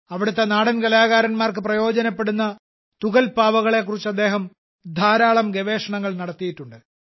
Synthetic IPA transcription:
ɐʋiɽut̪ːe̞naːɽɐnkɐlaːɣaːɾɐnmaːrkɨprɐjo̞ːd͡ʑɐnɐpːe̞ɽunːɐ | t̪uɣɐlpaːʋɐɣɐɭe̞kːurit͡ɕːɐd̪ːe̞ːɦɐm | d̪ʱaːɾaːɭɐmɡe̞ʋe̞ːʂɐɳɐŋːɐɭnɐɽɐt̪ːijiʈːuɳɖɨ

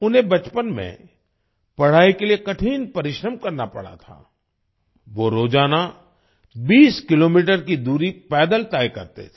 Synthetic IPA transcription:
ʊnɦẽbɐt͡ʃpənmḛ̃ | pɐɽ̤aːikeliekɐʈʰiːnpɐɾɪʃɾəmkɐɾnapɐ̰ɽ̤a̰t̪ʰa̰ː | ʋoɾoːd͡ʒaːna | biːskɪloːmiːʈəɾkid̪uːɾipɛːd̪əlt̪aːjkɐ̰ɾt̪ḛt̪ʰe̥

